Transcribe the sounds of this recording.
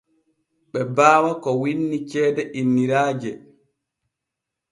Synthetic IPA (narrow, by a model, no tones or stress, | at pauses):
ɓɛbaːwakɔwinːit͡ʃɛːdɛʔinːiɾaːd͡ʒɛ